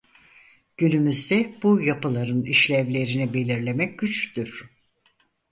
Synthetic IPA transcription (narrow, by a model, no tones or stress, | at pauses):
ɟ̥ynymyzd̪ɛb̥ujapɯlˠaɾɯniʃlʲɛvlʲe̞ɾinibe̞lʲiɾlʲe̞mɛc̚ɟyt͡ʃd̪yɾ̥